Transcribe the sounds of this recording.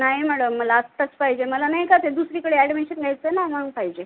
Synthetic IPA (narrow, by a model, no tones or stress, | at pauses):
najimæɽəmːəlaəst̪at͡spaɦid͡ʑeməlanaɦjkat̪ed̪usɾikəɽeæɽmeɕənɡʱajt͡sənaməɡpaɦid͡ʑe